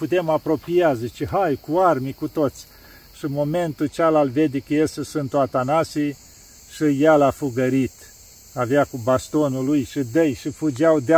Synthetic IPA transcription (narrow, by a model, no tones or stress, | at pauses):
put̪e̞mapɾo̞pijazit͡ʃeɦajkuarmikut̪o̞t̪sʲ | ʃimo̞me̞nt̪ut͡ʃalalved̪ekəjesesɨnt̪oat̪anasi | ʃijalafuɡəɾit̪ | aveakubast̪o̞nulujʃɨd̪əjʃifud͡ʒawd̪e